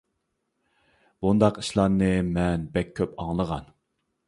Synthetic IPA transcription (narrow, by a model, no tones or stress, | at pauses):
bund̪ɑqi̥ʃlˠɑnɨmɛnbɛkʲʰːøpɑŋlˠəʁɑ̰n